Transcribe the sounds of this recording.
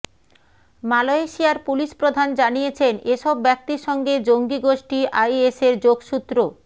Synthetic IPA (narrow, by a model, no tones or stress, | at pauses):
maloeʃiaɾpuliʃpɾod̪ʱand͡ʑanijet͡ɕʰeneʃɔbːɛk̚t̪iɾʃɔŋɡed͡ʑoŋɡiɡoʃʈiʔajeseɾd͡ʑoɡʃut̪ːɾo